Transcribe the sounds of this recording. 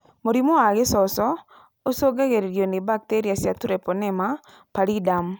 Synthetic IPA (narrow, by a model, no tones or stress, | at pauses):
moɾimoaɡɪsɔsɔ | osoɡaɣeɾeɾjonɪbak̚teɾiasjatuɾɛponɛma | paɾidam